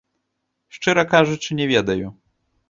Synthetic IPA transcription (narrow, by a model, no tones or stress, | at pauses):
ʂt͡ʂɨɾɐkaʐut͡ʂɨnʲɛvʲɛd̪ɐju